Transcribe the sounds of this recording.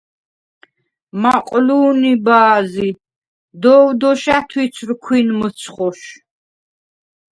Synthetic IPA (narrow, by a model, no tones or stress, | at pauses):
maqʼluːnibaːzi | d̪ɔːwd̪ɔʃat̪ʰwisʰɾkʰwinmət̪sʰχɔʃ